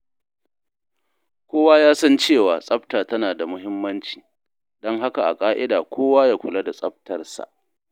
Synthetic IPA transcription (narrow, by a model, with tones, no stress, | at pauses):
kʷoː˦waː˦jaː˦sɐ˦nt͡ʃeː˦˨waː˨sʼɐ˦btaː˨tɐ˦naː˨da˨mʊ˦ɦɪ˦mːɐ˦nt͡ʃiː˨ | dɔ˦ŋɦa˦ka˨ʔa̰˨kʼaː˦ʔɪ˦daː˨kʷʰoː˦waː˦jaː˦kʷʊ˨la˦da˨sʼɐ˦b̚tɐ˨rsa̰˨ʔ